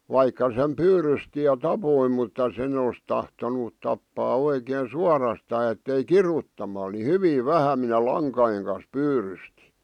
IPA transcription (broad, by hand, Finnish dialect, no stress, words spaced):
ʋɑikːɑ sem pyːrysti jɑ tɑpoi mutːɑ sen os tɑhtonut tɑpːɑː oikeːn suɑrɑstɑː etːei kirutːɑmɑl ni hyʋiˑ ʋæhæ minæ lɑŋkɑjeŋ kɑn̞s pyːrysti